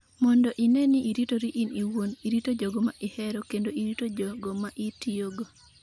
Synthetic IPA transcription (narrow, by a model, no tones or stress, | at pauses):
mɔndɔʔinɛnɪʔiɾitoɾiʔiniwoniɾitod͡ʒɔɡɔma̰ʔɪhɛɾɔkendoʔiɾitod͡ʒɔɡɔmaʔitioɡo